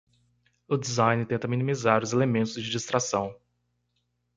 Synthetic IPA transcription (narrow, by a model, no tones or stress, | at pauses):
ʊd͡ʒizãj̃nɪɾt̪ẽnt̪ɐminimizaɾʊzelemẽnt̪ʊzd͡ʒɪd͡ʒist̪ɾasɐ̃w̃